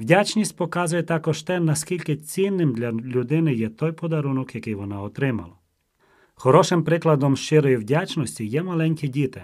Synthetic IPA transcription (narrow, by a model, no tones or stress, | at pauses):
ʋdʲat͡ʃnʲisʲt̚ʲpɔkɑzʊjɛt̪ɑkɔʃt̪ɛnɐskʲilʲkɪt͡sʲinːɪmd̪lʲɐlʲʊd̪ɪnɪjɛt̪ɔjpɔd̪ɐɾunɔkjɐkɪjʋɔnaɔt̪ɾɪmɐ̰lˠɐ | xɔɾɔʃɪmpɾɪklˠɐd̪ɔmʃt͡ʃɪɾɔjiwdʲat͡ʃnɔsʲtʲijɛmɐlˠɛnʲkɪdʲit̪ɪ